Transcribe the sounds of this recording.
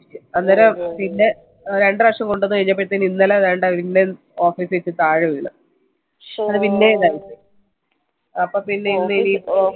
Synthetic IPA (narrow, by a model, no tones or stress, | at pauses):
ɨɐnːɐɾɐpinːe | ɾe̞ɳɖɨʋɐkʂɐmko̞ɳɖonːɨkɐɻiɲːɐp̬ːeʈːt̪ːɐininːɐlɐɐðeːjɐɳɖɐʋinːe | oːfiːsʋet͡ɕːɨt̪aːɻɨʋiɭːɨ̰ | ɐðɨpinːeðaːjitːɐ | ɐpːoːpinːe̞inːɨini